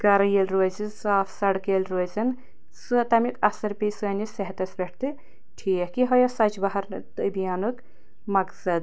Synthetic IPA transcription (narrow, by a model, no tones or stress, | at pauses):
ɡɐɾɐjelʲɾoːzisaːfʰsɐɽkelʲɾoːzʲin | sɨt̪ɐmikɐsɐɾpʲiːsɡɐnʲisɐɦt̪ɐsbʲeʈʰt̪ɨ | ʈʰiːhkiɦɐjɐsɐt͡ʃbɐɦɐɾt̪ɨbijaːnuk | mɐksɐd̪